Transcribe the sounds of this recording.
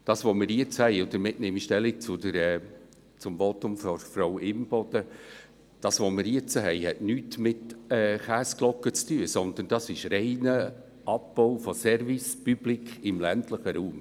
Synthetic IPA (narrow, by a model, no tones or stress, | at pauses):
d̥ɑːsʋomɪɾjiət͡shɛɪʊd̪əɾmɪtnɪmiʃtɛlːik̚t͡sʊd̥əɾɛː | t͡sʊmvɔt̪ʊmfɔɾfɾɔwɪmb̥ɔd̥ə | d̥ɑːsʋomɪɾjiɪt͡səɦɛɪhɛtnyːtmɪtɛːχæːsklɔkːət͡styəsɔnd̪ənd̥ɑsɪʃɾɛɪnə | ʔɑp̚b̥ɔʊfɔsɛɾvispyb̥likʰɪmlæntləχəɾuːm